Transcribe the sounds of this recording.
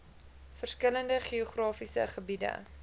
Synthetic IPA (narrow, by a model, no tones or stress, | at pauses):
fərskələndəχioχrɑːfisə̰χəbidə̰